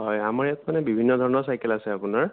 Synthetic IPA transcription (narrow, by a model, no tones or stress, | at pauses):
ɦɔjamaɹjatmanɛbibʱinːɔd̪ʱɔɹɔnɔɹsajkɛlasɛapʊnaɹ